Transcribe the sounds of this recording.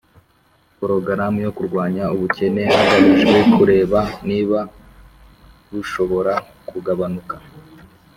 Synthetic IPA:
poɾo̞ɡaɾamujo̞kuɾɡwaːɲauβuce̞ne̞aβauʒwekuɾe̞ːβaniːβa | βuʃo̞βo̞ɾa | kuɡaβanuka

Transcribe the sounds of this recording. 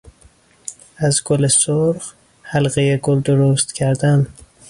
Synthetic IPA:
æzɡolesoɾɢ | hælɢejeɡold̪oɾost̪cʰæɾd̪æn

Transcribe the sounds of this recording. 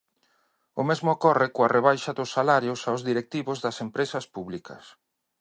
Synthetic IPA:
ʊmezmʊokɔrɪkoareβ̞ajʃɐðʊsːalaɾjʊsawzðiɾek̚t̪iβʊzðɐsempɾesɐspuβlikɐ̰s

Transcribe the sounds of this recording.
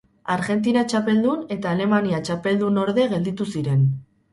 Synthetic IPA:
aɾɣe̞nt̪̬inat͡ʃape̞ld̪une̞t̪aːle̞maniat͡ʃape̞ld̪uno̞ɾðe̞ɣe̞ld̪it̪usiɾe̞n

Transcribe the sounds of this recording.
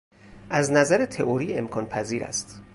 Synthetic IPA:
ʔæznæzæɾet̪ʰe̞ʔoɾiːe̞mkʰɒːnpʰæziːɾæ̰st̪

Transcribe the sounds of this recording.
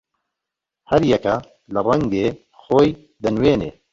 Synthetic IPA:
hɐɾjɛkɐ | lɨrɛŋɡeː | xoːj | d̪ɨnweːneː

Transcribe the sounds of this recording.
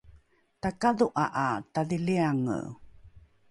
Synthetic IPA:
takaðuʔaʔataðiliaŋ̰

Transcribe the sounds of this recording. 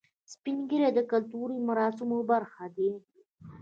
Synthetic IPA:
spinɡəɾed̪əkalt̪uɾimaɾɑːsɪmobaɾxad̪e

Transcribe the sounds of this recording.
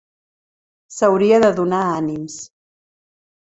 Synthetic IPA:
səwɾiəðəðunaanims

